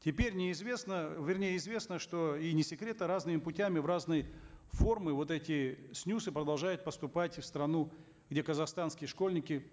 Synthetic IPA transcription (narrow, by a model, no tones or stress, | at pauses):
tʲɪpʲeɾʲnʲɪɪzvʲe̞snəvʲɪrnʲejəɪzvʲe̞snəʂt̪o̞inʲɪsʲɪkɾʲe̞t̪əɾaznɨmʲɪpʊtʲæmʲɪvraznɨjəfo̞rmɨvo̞t̪ɛtʲɪsʲnʲusɨpɾəd̪ɐlˠʐajʊt̪̚pəst̪ʊpatʲfst̪ɾɐnu | ɡdʲe̞kəzɐxst̪anskʲɪjəʂko̞lʲnʲɪkʲɪ